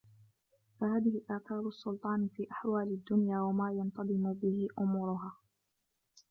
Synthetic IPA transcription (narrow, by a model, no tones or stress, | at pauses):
fahaːðɪhɪʔaʕkɑːɾˤɑsːʊlt̪ˤɑːnfiːʔaħwaːlɪd̪ːʊnjaːwamaːjɑnt̪ˤɑðˤɨmʊbɪhɪʔʊmʊɾʊɦaː